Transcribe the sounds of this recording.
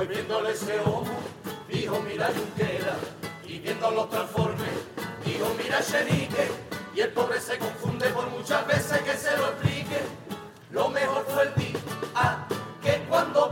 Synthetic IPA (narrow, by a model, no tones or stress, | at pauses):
jβjɛnd̪oleseomupiɦomiɾaʃuŋt̪ɛɾa | iβjɛnd̪olot̪ɾafɔɾmeiɦomiɾaʃeɾikeielpɔβɾesekoɱfund̪epoɾmut͡ʃaveseskeseloesplike | lomeɦot̪ueld̪iakekwand̪o